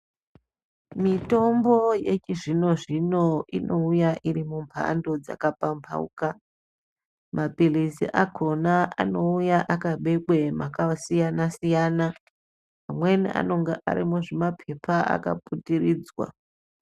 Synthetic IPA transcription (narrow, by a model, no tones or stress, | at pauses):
mito̞mbo̞jet͡ʃiʐino̞ʐino̞inʔo̞ujaʔiɾimumpʰa̰ndo̞d͡za̰kapampʰa̰ṵka | mʔapilisḭʔakʰonaʔa̰no̞ujaʔakaɓe̞ɡwemakasijanasijana | amwe̞niʔa̰no̞ŋɡeʔa̰ɾimuʐimapʰepʰaa̰ka̰putiriːd͡zwa̰